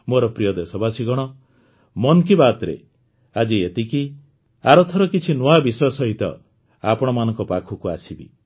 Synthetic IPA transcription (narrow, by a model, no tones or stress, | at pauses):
moɾɔpɾijɔd̪esɔbʱasiɡɔɽ̃ɔ | mɔnkibat̪ɾḛ | ad͡ʒiet̪iki | aɾɔt̪ʰɔɾɔkit͡ʃʰinoabisɔsɔɦit̪ɔ̰ | apɔɽ̃ɔmanɔŋkɔpakʰukuasibḭ